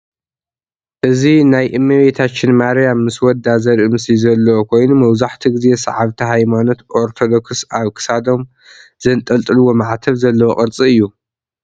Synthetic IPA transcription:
ʔɨzinajʔɨmːɨβet̪ʰat͡ʃːɪnmaɾjamːɨswɔd̪azɐɾʔɨmɨsizɐlːɐwokʰo̞jnumɐwzaħt̪ʰiɡɨze̞sɐ̰ʕaβt̪ʰiɦajmano̞t̪ʔoɾt̪ʰo̞d̪o̞ksaβkʰɨ̥sad̪o̞m | zɐnt̪ʼɐlt̪ʼɨlɨwo̞maʕat̪ʰɐβzɐlːɐwoχʼɨɾt͡sʼiɨjːu

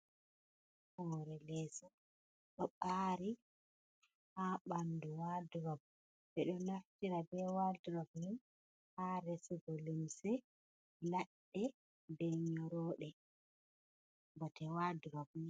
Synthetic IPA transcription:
hɔɾɛlɛːsɔ | ɗɔɓaɾi | haɓanduwaduɾabu | bɛɗɔnaftiɾabɛwaduɾabujum | haɾɛsiɡɔlimsɛ | laɗːɛ | bɛɲɔɾɔːɗɛ | bɔtɛwaduɾabu

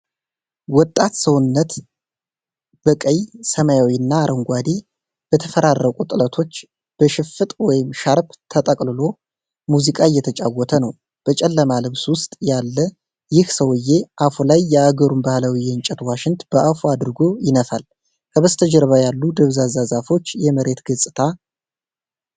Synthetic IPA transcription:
wɔt̪ʼːat̪səwʊnːət̪ | b̥əkʼəjsəmajawiɨnːaːɾʔəŋɡʷad̪i | b̥ət̪ʰəfəɾarːəkʼut̪ʼɨlət̪ʰo̞t͡ʃː | b̥əʃɪfɨt̪ʼwɔjɪmʃaɾbt̪ʰət̪ʼəkʼlɨlo̞ | muzikʼajːɛt̪ʰət͡ʃʼawːɔt̪ʰənəw | b̥ət͡ʃʼɛlːəmalɨβswʊst̪ʼjalːə | jɪhsəwɨjːe̞ʔafulajːɛaɡəɾumbahlawijɛnt͡ʃʼɛt̪waʃɪnt̪b̥əʔafuad̪ɾɨɡo̞jɪnəfa̰l | kʰəβəst̪ʰəd͡ʒəɾβajalːud̪əβzazazafo̞t͡ʃːjɛməɾe̞t̪ɡəsʼɨt̪ʰa

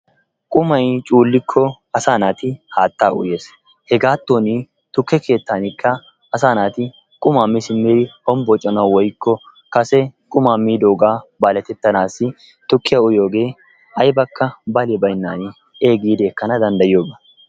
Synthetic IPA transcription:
kʼʊmɐjt͡ʃʼuːlːɪkʰːɔ | ɐsaːnaːt̪ɪhaːt̪ːaːʔʊ̰je̞ːs | hɛɡaːt̪ːo̞ːnɪ | t̪ʊkːɛkʰe̞ːt̪ːaːnɪkʰːɐː | saːnaːt̪ɪ | kʼʊmaːmːɪsɪmːeːd̪ɪhɔmbɔt͡ʃʼːɐnɐwwɔjkːɔ | kɐsɛkʼʊmaːmːiːd̪o̞ːɡaːbaːlɛt̪ɛt̪ːɐnaːsːɪ | t̪ʊkːɪjaʊjo̞ːɡe̞ː | ɐjbɐkːɐbɐlebɐjnːaːnɪ | e̞ːɡiːd̪eːkːɐnɐd̪ɐnd̪ɐjjo̞ːɡɐ

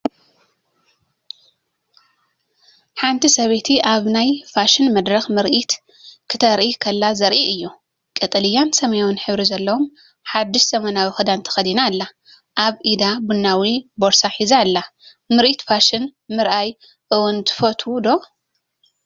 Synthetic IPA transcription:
ħant̪ʰisɐβet̪ʰiʔaβnajfaʃɪnmɐd̪ɾɐxmɨɾʔit̪ | kʰɨt̪ʰɐɾʔikʰɐlːazɐɾʔiʔɨjːu | kʼɨt̪ʼɨlijansɐmɐjonħɨβɾizɐlːɐwom | ħad̪ːiʃz̥ɐmɐnawixɨd̪ant̪ʰɐ̥xɐd̪inalːa | ʔaβʔid̪abunːawibo̞ɾsaħizalːa | mɨɾʔit̪faʃɪnmɨɾʔaj | ʔɨwunt̪ʰɨ̥fot̪ʰud̪o̞

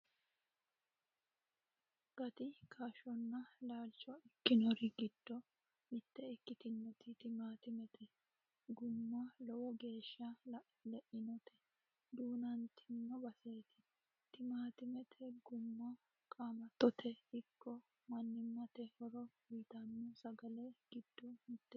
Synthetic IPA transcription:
ɡ̥ɐt̪ɪkʰaʃɔnːɐlaːlt͡ʃːɔɪkːɪnɔɾɪɡɪd̪̥ːɔ | mɪt̪ːɛɪkːɪt̪ɪnːɔt̪ɪt̪ɪmaːt̪ɪmɛt̪ʰɛ | ɡʊmːɐlɔwɔɡe̞ːʃːɐ | lɛʔɪnɔt̪ʰɛ̥ | d̪uːnɐnt̪ʰɪnːɔbɐseːt̪ɪ̥ | t̪ɪmaːt̪ɪmɛt̪ʰɛɡʊmːɐ | kʼaːmɐt̪ːɔt̪ʰɛɪkʰːɔ | mɐnːɪmːɐt̪ɛhɔɾɔbiːt̪ɐnːɔsɐɡɐlɛɡ̥ɪd̪̥ːɔmɪt̪ːɛ

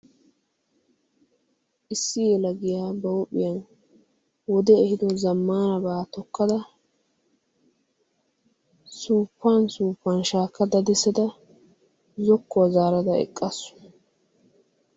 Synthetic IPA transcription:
ʔɪsːɪjɛlɐɡɪjaːbɐwɔpʼːɪjɐn | wɔd̪ɛɛhɪd̪ɔzɐmːaːnɐbaːt̪ɔkːɐd̪ɐ | suːpːansuːpːanʃaːkːɐd̪ɐd̪ɛsɐd̪ɐ | zɔkːɔɐzaːɾɐd̪ɐɛ̰kʼːɐsːʊ̥

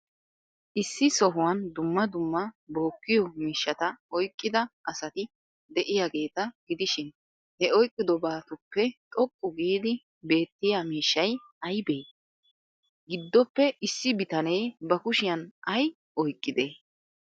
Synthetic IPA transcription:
ʔɪsːɪsɔɦʊwɐnd̪ʊmːɐd̪ʊmːɐbo̞ːkːɪjɔmiːʃːɐt̪ɐɔjkʼːɪd̪ɐʔɐsɐt̪ɪ | d̪ɛʔɪjaɡe̞ːt̪ɐɡ̥ɪd̪ɪʃɪn | hɛɔjkʼːɪd̪ɔbaːt̪ʊpːɛt̪ʼɔkʼːʊɡiːd̪ɪ | be̞ːt̪ːɪjamiːʃːɐj | ɐjbe̞ː | ɡɪd̪ːɔpːɛɪsːɪbɪt̪ɐnɛjbɐkʊʃɪjɐnʔɐj | ʔɔjkʼːɪd̪eː

